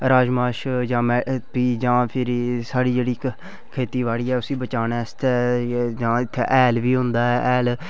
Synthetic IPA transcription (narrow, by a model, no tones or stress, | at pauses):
ɾaːd͡ʒmaːʃd͡ʒãːmɛːpiːd͡ʒãːpʰɪɾsaːɽiːd͡ʒeːɽiː | kʰeːt̪iːʋaːɽiːɛːʊsĩːbət͡ʃaːneːst̪ʰɛːd͡ʒãːɪt̪ʰːḛʔɛːlʋiːɦʊ̃nd̪aːɛːʔɛːl